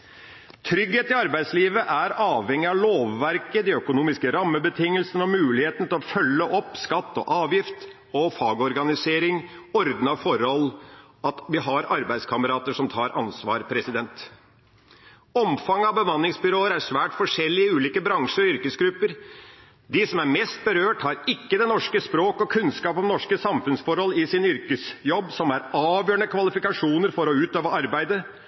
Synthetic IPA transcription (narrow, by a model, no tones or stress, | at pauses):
t̪ʰɾʏɡheːt̪ɪɑɾbæɪd̪sliːʋəʔæɾɑːʋhɛŋːɪɑʋloːʋːæɾkəd̪ɛœkʊnuːmɪskəɾɑmːəbət̪ʰɪŋːəlsənəɔmʉːlɪheːt̪n̩t̪ɪlɔfœlːəʔɔpːskɑt̪ːɔ̰ʔɑːʋjɪft̪ | ɔfɑːɡɔɾɡɑnɪseːɾɪŋɔɾd̪nɑfɔɾɔl | ɑt̪ʋɪɦɑɾɑɾbæɪd̪skʰɑməɾɑːt̪əʂɔmt̪ʰɑːɾʔɑnsʋɑːɾpʰɾɛsɪd̪ɛnt̪ | ɔmfɑŋːɑbəmɑnːɪŋsbʏɾoːəɾæɾʂʋæːʈfɔʂɛlːɪəʉːliːkəbɾɑŋʂəɾɔʏɾkəsɡɾʉpːəɾ | d̪ɪsɔmæɾmɛst̪̚bəɾøːʈhɑɾɪkːəd̪ɛnɔʂkəspɾoːkɔkʰʉnskɑːpɔmnɔʂkəsɑmfʉnsfɔɾhɔlːɪsɪnʏɾkəsjɔbːsɔmæɾɑːʋjøːɳəkʰʋɑlɪfɪkɑʂuːnəɾfɔɾɔʉːt̪øːʋəɑɾbæɪd̪ə